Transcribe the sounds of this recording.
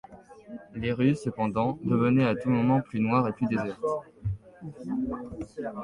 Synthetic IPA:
leʁysəpɑ̃d̪ɑ̃d̪əvənɛat̪umɔmɑ̃plynwaʁeplyd̪ezɛʁt̪

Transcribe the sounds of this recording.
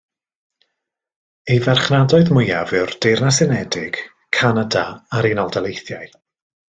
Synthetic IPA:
ejvɛrχnadɔɨðmʊjavɨwrd̥ejrnasɪnɛdɪɡ̥ | kʰːanadaaɾinɔlˠdalˠejθjaɨ

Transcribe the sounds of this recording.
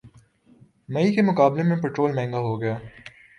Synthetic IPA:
mɐikemʊkaːblemẽpɛʈɾoːlmɛ̃ːŋɡaɦoɡɐjaː

